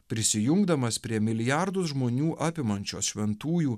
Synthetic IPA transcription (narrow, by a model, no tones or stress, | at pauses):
pʲɾʲɪsʲɪjʊŋɡd̪ɐmɐspʲɾʲiɛmʲɪlʲɪjɑɾd̪ʊsʒmoːnʲuːʔɑːpʲɪmɐnʲt͡ʃʲo̰ːsʃʲʋʲɛnt̪uːjuː